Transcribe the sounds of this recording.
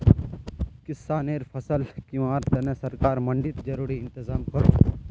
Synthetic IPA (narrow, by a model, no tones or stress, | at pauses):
kɪsːaːneːɾfʰɐsəlkjũaːɾt̪ɛnẽsɐɾkaːɾmɐ̃ɳɖɪt̪d͡ʒɐɾuːɾiɪnt̪ɪzaːmkɐɾo̰ː